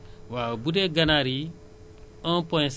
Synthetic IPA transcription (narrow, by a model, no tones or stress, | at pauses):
waːwbudeɡɐnaɾi | ə̃pɔ̃j̃s